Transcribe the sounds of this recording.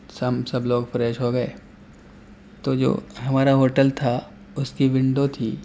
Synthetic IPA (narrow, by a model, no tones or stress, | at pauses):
sɐmsɐbloːɡfɾɛːʃɦoɡɐeː | t̪oːd͡ʒo̰ːɦɐmaːɾaɦoːʈəlt̪ʰa | ʊskiʋɪ̃ɳɖot̪ʰiː